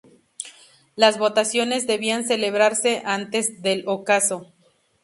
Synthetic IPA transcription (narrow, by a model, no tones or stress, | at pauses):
lazβo̞t̪asjo̞ne̞zðe̞βianse̞le̞βɾaɾse̞ʔant̪e̞zðe̞lokaso̞